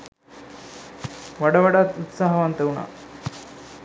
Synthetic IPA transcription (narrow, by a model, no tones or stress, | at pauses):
ʋɐɽɐʋɐɽat̪ut̪saɦɐʋant̪ɐwɳa̰